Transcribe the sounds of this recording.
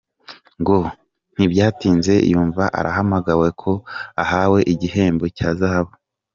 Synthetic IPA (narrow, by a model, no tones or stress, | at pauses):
ŋɡo | n̥ibɟaːtiːnze̞ḭjuːɱvaʔa̰ɾaɦamaɡawe̞kʰo̞ahaːwe̞ʔiɟihe̞ːmbo̞caːzahaβo